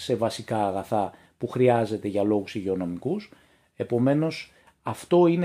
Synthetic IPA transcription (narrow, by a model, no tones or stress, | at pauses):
se̞vɐsikɐːɣɐθɐ | puxɾiɐze̞t̪e̞ʝɐlo̞ɣusiʝeo̞no̞mikus | e̞po̞me̞no̞s | ɐft̪o̞ine